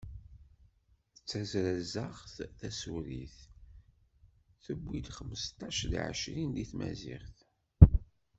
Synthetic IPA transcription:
θət͡sːæzɾæzəχθθæsuɾḭθ | θəbʷːid̪χəmːəst̪ɑʃlḭʕə̰ʃɾind̪iθmæ̰zḭʁθ

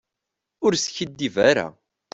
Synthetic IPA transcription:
ʊɾsçəd̪ːivæɾa̰

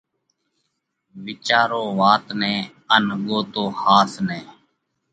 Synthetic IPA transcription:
ʋɪt͡ʃaːɾoːʋaːt̪nɛ̃ː | ənɠoːt̪oːhaːsnɛː

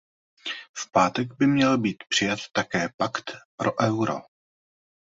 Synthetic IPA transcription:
fpaːt̪ɛɡbɪmɲɛlbiːt̪pr̝̥ɪjat̪ːakɛːpakt̪pɾʔoʔɛwɾo̰

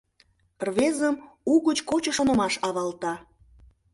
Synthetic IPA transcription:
pərβezəmuɣət͡ɕkot͡ɕə̆ʃonə̆mɑʃɑβɑlt̪ɑ

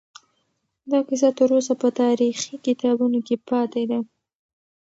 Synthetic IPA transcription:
d̪ɑqɪs̬at̪əɾosapət̪ɑɾixikɪt̪ɑbunokepɑt̪ed̪a

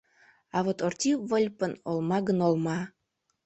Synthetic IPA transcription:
ɑβot̪ort̪ʲivəlʲpənolmɑɡənolmɑ

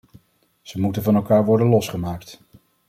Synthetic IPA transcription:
z̥əmutənvɑnɛlˠkaːɹʋɔɹdənlɔsχəmaːkt

